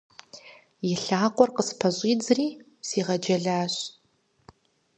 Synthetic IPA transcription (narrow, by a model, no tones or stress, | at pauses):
jɪɬaːqʷʼɔrqəspʰɐɕʼiːd͡zɨriː | siːʁɐd͡ʒɐɮaːɕ